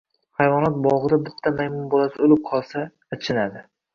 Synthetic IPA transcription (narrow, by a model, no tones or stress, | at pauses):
hajvɒnat̪̚bɒʁɨd̪abɪt̪ʰːamajmʊmbolasɪolɪp̚qʰɒlˠsaː | t͡ʃʰɪnad̪ɪ